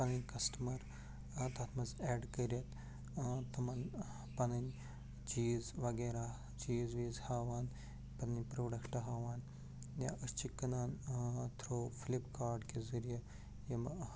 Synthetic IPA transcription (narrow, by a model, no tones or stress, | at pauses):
pɐnɐnʲkɐsʈɐmɐɾ | t̪ɐt̪ʰmɐzeːɖkəɾijɐt̪ | t̪ɐmɐn | pɐnɐnʲ | d͡ʒiːzʋɐɡeːɾaː | d͡ʒiːzʋiːzhaːʋaːn | pɐnɐnʲpɾoːɖɐkʈɐɦaːʋaːn | ja̰ʔəst͡ʃʰikːɐnaːnt̪ʰɾoːfilipkaːɾɖkezɐɾijɐ | jɐm